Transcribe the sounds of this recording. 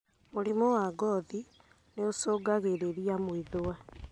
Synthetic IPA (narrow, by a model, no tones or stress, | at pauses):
moɾimowaɡɔːði | neosoːɡaɣeɾeɾiamwiðowa